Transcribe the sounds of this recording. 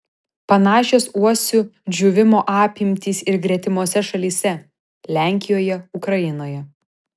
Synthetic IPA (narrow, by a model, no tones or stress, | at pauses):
pɐnɑːʃʲoːsuɔsʲʊd͡ʒʲuʋʲɪmoːʔɑːpʲimʲt̪ʲiːsɪɾɡɾʲɛt̪ʲɪmoːsʲɛʃɐlʲiːsʲɛ | lʲæˑŋʲkʲɪjoːjɛʊkɾɐjɪnoːjɛ